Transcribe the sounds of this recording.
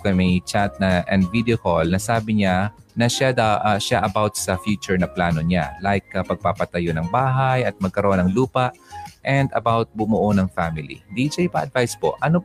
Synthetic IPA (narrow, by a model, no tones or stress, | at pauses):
kɐjmɐjt͡ʃat̪̚nɐʔɛnd̪vid̪ɛokolnɐsaːbɪɲa | nɐʃad̪aʔʃaʔɐbawt̪sɐfjuːt͡ʃʊɹnɐplaːno̞ɲalajkːɐpɐɡ̚papɐt̪ɐjo̞nɐŋbaːɦajɐt̪̚mɐɡ̚kɐɾoʔonɐŋluːpɐʔʔɛnd̪ɐ̰bawt̪̚bʊmʊʔonɐŋfamɪlḭhɪnd̪it͡ʃɐʔɪpa̰ʔɐd̪̚vajspo̞̰ʔʔɐno